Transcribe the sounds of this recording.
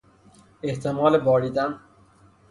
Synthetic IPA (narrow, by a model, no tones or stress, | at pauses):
eht̪ʰemɒːlebɒːɾiːd̪æn